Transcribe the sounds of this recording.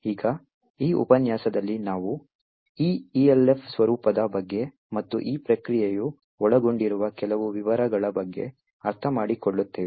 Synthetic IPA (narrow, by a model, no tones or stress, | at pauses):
iːɡɐ | iːṵpɐnjaːsɐd̪ɐlːinaːʋu | iːielepʰsʋɐɾuːpɐd̪ɐbɐɡːe̞ | mɐt̪ːuʔiːpɾɐkɾijeju | ɔɭɐɡoɳɖiɾuʋɐkɛlɐʋuʋiʋɐɾɐɡɐɭɐbɐɡːe̞̰ | ɐɾt̪ʰɐmaːɽikoɭːut̪ːeː